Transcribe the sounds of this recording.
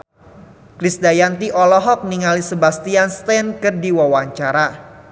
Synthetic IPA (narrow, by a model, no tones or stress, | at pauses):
kɾisdajant̪iʔɔlɔɦɔk̚niŋalisəbast̪ianst̪ɛnkərdiwawaɲt͡ʃaɾa